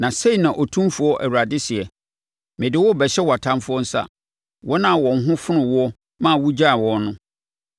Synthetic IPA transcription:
nã˨se˦i˨nã˨ʔɔ˨tʰũ˦mfu˨˦ɔ˦ʔæ̰˨wu˨ɾa˨dɪ˦si˨ɛ˨ | mɪ̃˨dɪ˦wɔ˦˨bɛ˨ɕɛ˦wɔ˨a˨tʰã˦mfʊ˦ɔ˦n̩˦sa̰˦ | wɔ˦nã˦˨wɔ̃˨n̩˦ɦʊ̃˦fʊ˦nʊ̃˨wɔ˦ | mã˦˨wʊ˦d͡ʑa˦˨wɔ˦nʊ̃˦

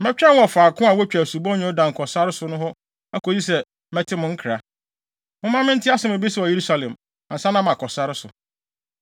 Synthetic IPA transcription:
mɛ̃˦t͡ɕᶣɛ̃˦n˦ɔ˨faː˨kʰʊ̃˦a˨wɔ˦t͡ɕᶣæ˨su˨bɔ̃˦ñ˦˨˦dã˨ŋ̩˨kʰɔ˨sa˦ɾɪ˦sʊ˨˦nʊ̃˦ɦɔ˦ | a˦ko˨si˦sɛ˨ | mɛ˦tʰɪ˦mʊ̃˦ŋ̩˦kʰɾa˨ | mʊ̃˦mã˦mɪ̃˦n̩˦tʰɪ˦a˦sɛ˦mʊ̃˨bi˦swɔ˨je˨ɾu˦sa˨lɛ̃˨m | ã˨sã˦nã˦mã˨kʰɔ˨sa˦ɾɪ˦sʊ˨

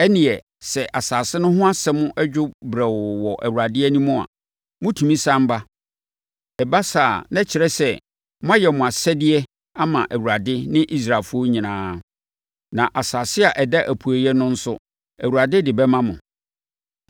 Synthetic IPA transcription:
ɛ˦nĩ˨ɛ˨ | sɛ˨ʔa˨saː˨sɪ˦nʊ̃˦ɦʊ̃˦a˦sɛ˦mʊ̃˦ʔɛ˦d͡ʑᶣʊ˦bɾɛ˨wɔ˨wɔ˨ʔæ̰˨wu˨ɾa˨dɪ˦ɛ˦nĩ˦mʊ̃˦a̰˨ | mʊ̃˦tʰũ˨mĩ˦sã˦m̩˦ba˦ | ɛ˨ba˦saː˨nɛ̃˦t͡ɕʰɪ˨ɾɛ˦sɛ˨ | mʊ̃˦a˦jɛ˨mʊ̃˨a˨sɛ˦dɪ˦ɛ˦ | a˦mã̰˨ʔæ˨wu˨ɾa˨dɪ˦nɪ̃˦ʔi˦s̬ɾa˨lfʊ˦ɔ˦ɲĩ˨nãː˦ | nã˨ʔa˨saː˨sɪ˦a˨ʔɛ˨dɛ˦ʔæ˨pʰu˨æ˨jɛ˦nʊ̃˦n̩˦sʊ˦ | æ˨wu˨ɾa˨dɪ˦dɪ˨bɛ˦mã˦mʊ̰̃˨

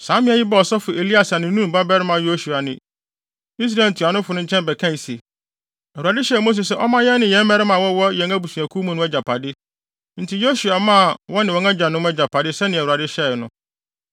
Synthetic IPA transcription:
sã˨˦mɪ̃˦a˦˨jɪ˦bɛ˦˨ɔ˨sɔ˦fʊ˨e˨li˦a˨sa˨nɪ̃˨n˦ũ˦˨ba˦bɛ˦ɾɪ˦mã˨jo˦su˨a˨nɪ̃˨ | i˦s̬ɾa˨n˨tʰu˨a˨nʊ̃˦fʊ˨nʊ̃˦ɲ̩˦t͡ɕʰɛ̃˦nbɛ˨kʰã˦n˨si˨e˨ | æ˨wu˨ɾa˨dɪ˦ɕɛ˦˨mo˦s̬e˨s̬ɛ˦ʔɔ˦mã˦jɛ˦nɪ̃˨jɛ̃˦m˦mɛ˦ɾɪ˦mã˨wɔ˦wɔ˦jɛ̃˨ŋa˦bu˨sũ˨æ˨kʰu˦mũ˦nʊ̃˦ɛ˦d͡ʑa˨pʰa˨dɪ˦ | n̩˦tʰi˨jo˦su˨a˨mã˦˨wɔ˦nɪ̃˨wɔ̃˨˦ŋã˦d͡ʑã˨nʊ̃˦m˦ɛ˦d͡ʑa˨pʰa˨dɪ˦sɛ˦nɪ̃˨æ˨wu˨ɾa˨dɪ˦ɕɛ˦˨nʊ̃˦

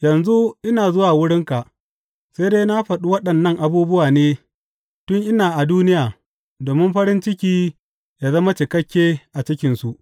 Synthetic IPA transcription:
jɐ˨nzu˦ʔɪ˦naː˨zʊ˦waː˨wʊ˦ɽɪ˦ŋka˨ʔ | se˦jdeː˦na˦ɸɐ˨ɗu˦wɐ˦ɗɐ˨nːɐ˦ŋʔa˨buː˦bʊ˦waː˨neː˦ | tʊ˦ŋʔɪ˦naː˨ʔa˨duː˦nɪ˦jaː˨ | doː˨mɪ˦mɸɐ˦ɾɪ˦nt͡ʃɪ˦kʲiː˦ | jaː˨zɐ˦ma˦t͡ʃɪ˨kɐ˦kʲːeː˦ʔa˨t͡ʃɪ˦kʲɪ˨nsu˨ʔ

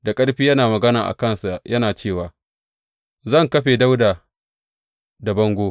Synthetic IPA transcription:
da˨kʼɐ˦ɽɸiː˦jɐ˦naː˨mɐ˨ɡɐ˦naː˨ʔa̰˨kɐ˦nsa˨ʔjɐ˦naː˨t͡ʃeː˦˨waː˨ | zɐ˦˨ŋkɐ˦ɸeː˨da˦wdaː˨ | da˨bɐ˦ŋɡʷoː˦

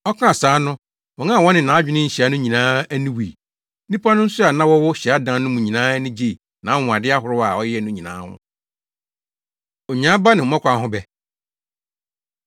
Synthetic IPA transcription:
ɔ˦kʰã˦a˨saː˨˦nʊ̃˦ | wɔ̃˨ŋã˦˨wɔ˦nɪ̃˨nã˨˦d͡ʑᶣɪ˦nɪ̃˦ɲ̩˨ɕi˨a˦nʊ̃˦ɲĩ˨nãː˦æ˦nĩ˦wḭ˨˦ | nĩ˦pʰa˦nʊ̃˦n̩˦sʊ˦a˨nã˦wɔ˦wɔ˦ɕi˨a˦dã˨˦˨nʊ̃˦mũ˨ɲĩ˨nãː˦nĩ˦d͡ʑe˨ | nã˨˦wʊ̃˨a˨dɪ˦a˦ɦʊ˨ɾʊ˦a˨ɔ˦jɛ˦ɛ˨nʊ̃˦ɲĩ˨nã̰ː˨˦ʊ̰̃˦ | o˨ɲã˦ba˦nɪ̃˨mɔ̃˦kʷa˨˦ɦʊ̃˦bɛ˨

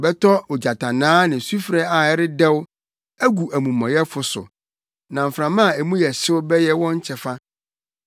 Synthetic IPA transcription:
bɛ˦tʰɔ˦o˨d͡ʑa˨tʰã˨nãː˦nɪ̃˨su˦fɾɛ˦a˨ɛ˦ɾɪ˦dɛ˦wʊ˦ | æ˦ɡu˨æ˨mũ˨mɔ̃˨jɛ˦fʊ˨sʊ̰˨ | nã˨m̩˨fɾã˨mã˦˨e˨mũ˦jɛ˨ɕɪ˦wʊ˦bɛ˦jɛ˦wɔ̃˦ɲ̩˦t͡ɕʰɛ˨fa˦

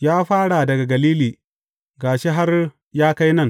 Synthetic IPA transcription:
jaː˦ɸaː˦ɽa˨dɐ˨ɡa˨ɡɐ˨liː˦liː˨ | ɡaː˨ʃe˦ɦa˦r | jaː˦ka˦jnɐ˦˨ŋ

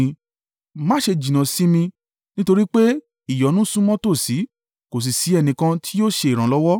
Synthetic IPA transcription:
mã˦ʃe˧d͡ʒĩ˨nã˨si˨˦mĩ˧ | nĩ˦to˧ɾi˦k͡pe˦ | i˦˨jɔ˨˦nũ˦sũ˦mɔ̃˦to˦˨si˨˦ | ko˨s̬i˨si˨˦ɛ˧nĩ˧kã˧tʰi˦jo˦ʃe˧i˨ɾ̃ã˨˦lɔ˦wɔ˦

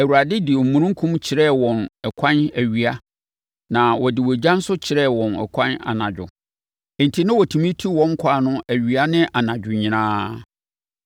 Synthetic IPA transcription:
æ˨wu˨ɾa˨dɪ˦dɪ˨m̩˨mũ˨ɾʊ̃˦ŋ˦kʰũ˦mt͡ɕʰɪ˨ɾɛ˦˨wɔ̃˨nɛ˨kʷʰã˦næ˨ɥi˨a˦ | nã˨wɔ˨dɪ˨wɔ˨d͡ʑã˦n˦sʊ˦t͡ɕʰɪ˨ɾɛ˦˨wɔ̃˨nɛ̰˨kʰã˦na̰˨nã˨d͡ʑᶣʊ̰˨ | e˨n˨tʰi˨nɪ̃˦wɔ˨tʰĩ˨mĩ˦tʰi˦wɔ̃˦ŋ˦kʰaː˦˨nʊ̃˦æ˨ɥi˨a˦nɪ̃˦ʔa˨nã˨d͡ʑᶣʊ˨ɲĩ˨nãː˦

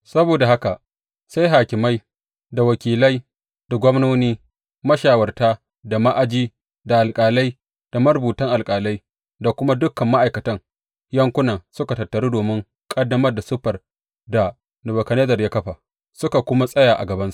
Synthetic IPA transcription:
sɐ˦boː˨da˨ha˦ka˨ | sa˦jɦaː˨kʲɪ˨ma˦j | da˨wɐ˨kʲiː˨lɐ˦j | d̥a˨ɡʷɔ˦mnoː˦niː˦ | mɐ˦ʃaː˨wɐ˨rtaː˦ | da˨ma˦ʔa˨d͡ʒiː˦ | da˨ʔa˨lkʼaː˨la˦j | d̥a˨mɐ˦ɾbuː˨tɐ˦ŋʔa˨lkʼaː˨la˦j | da˨kʷʊ˦ma˦dʊ˦kːɐ˨mːa˦ʔa˨jkɐ˨tɐ˦ŋ | jɐ˦ŋkʷʊ˦nɐ˨ŋsʊ˦ka˨tɐ˨tːɐ˨ɾuː˦doː˨mɪ˦ŋ | kʼɐ˦dːɐ˦mɐ˦rda˨sʊ˦ɸɐ˨r | da˨ | nʊ˨bɐ˨kɐ˨ne˦zɐ˨rjaː˦kɐ˦ɸa˨ | sʊ˦ka˨kʷʊ˦ma˦sʼɐ˦jaː˨ʔa̰˨ɡɐ˨bɐ˦nsu̥˦ʔ

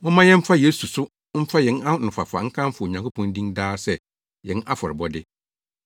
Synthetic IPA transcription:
mʊ̃˦mã˦jɛ̃˦m̩˦fa˦je˨˦su˨sʊ˦ | m̩˦fa˦jɛ̃˨na˦˨nʊ̃˨fa̰˨fa̰˨ŋ̩˦kʰã˦m̩˦fʊ˨ɲã˨kʰo˦pʰɔ̃˨n˦dĩ˦ndaː˦sɛ˨ | jɛ̃˨˦na˦fɔ˨ɾɪ˨bɔ˦dɪ˦

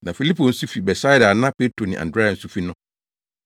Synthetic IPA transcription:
nã˨fi˨li˦pʰo˨n̩˦su˦fi˨bɛ˨sa˦jda˨nã˦pe˦tʰɾo˨nḭ̃˨ʔã̰˨ndɾe˦a˨n̩˦su˦fi˦nʊ̃˦

